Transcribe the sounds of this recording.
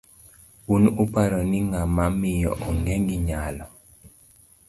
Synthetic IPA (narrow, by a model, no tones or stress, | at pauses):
unupaɾɔnɪŋamamɪjɔ̰ʔɔŋɛŋiɲalɔ